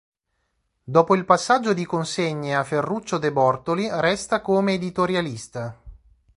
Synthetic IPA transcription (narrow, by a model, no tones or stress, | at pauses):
d̪ɔːpoilpasːad͡ʒːod̪ikonseɲːeafːerːut͡ʃːod̪ebɔrt̪olirɛst̪akoːmeːd̪it̪oɾjalist̪a